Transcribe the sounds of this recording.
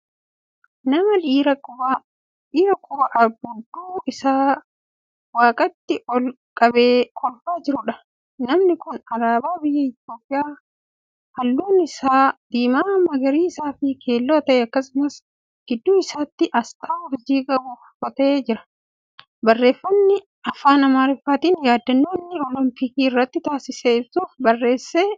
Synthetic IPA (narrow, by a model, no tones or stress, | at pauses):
nɐmɐliːɾɐ | iːɾɐkʼʊwɐʔɐbʊd̪ːuːɪsaː | waːkʼɐt̪ːɪɔl | kʼɐbeːkʰɔlfaːd͡ʒɪɾʊᶑɐ | nɐmnɪkʊnɐɾaːbaːbɪjːɐɪt̪ɪjo̞ːpʼɪjaː | hɐlːuːnɪsaːd̪̥iːmaːmɐɡɐɾiːɪsaːfɪkʰe̞ːlːoːt̪ɐʔɛɐkːɐsɪmɐs | ɡ̥ɪd̪ːuːɪsaːt̪ːɪʔɐst̪ʰʼaːɔɾd͡ʒiːkʼɐbʊfkɔt̪ɐʔeːd͡ʒɪɾɐ̥ | bɐrːe̞ːfːɐnːɪ | ɐfaːnɐmaːɾɪfaːt̪iːnjaːd̪ːɐnːoːnːɪlɔlɔmpɪkiːɪrːɐt̪ːɪt̪aːsɪseːɪbsuːfbɐrːe̞ːsːeː